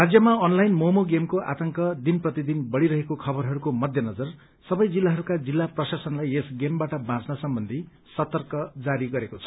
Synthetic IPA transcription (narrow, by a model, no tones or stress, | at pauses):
rad͡zjʌmaʌnlajnmomoɡemkoʔa̰t̪ʌŋkʌd̪inprʌt̪id̪inbʌɽiɾʌɦekokʰʌbʌɾɦʌɾukomʌd̪ʱjʌnʌd͡zʌr | sʌbʌjd͡zilːaɦʌɾukad͡zilːaprʌsasʌnlajesɡembaʈʌbãt͡snʌsʌmbʌnd̪ʱi | sʌt̪ʌrkʌd͡zaɾiɡʌɾekot͡sʰʌ̥